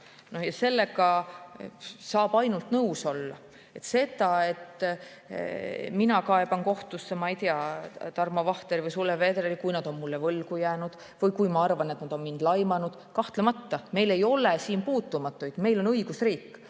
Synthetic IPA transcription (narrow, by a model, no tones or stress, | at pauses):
nohjɑse̞lːe̞ɡɑ | sɑːb̥ɑjnult̪nɤwso̞lːɑ | e̞t̪se̞d̪̥ɑe̞t̪ | minɑkɑe̞b̥ɑnko̞ht̪usːemɑijt̪iɑt̪ɑrmɑvɑht̪eɾivɯjsulːeve̞d̪relikujnɑd̪o̞nmulːe̞vɤlɡ̥ujæːnud̪̥ | vɤjkujmɑɑrvɑne̞t̪nɑd̪̥o̞nmind̪̥lɑjmɑnud̪̥kɑht̪lemɑt̪ːɑme̞jle̞jo̞lesiːnpuːt̪ːumɑt̪ːˑujd̪̥me̞jlo̞nɤiɡ̥usriːkːˑ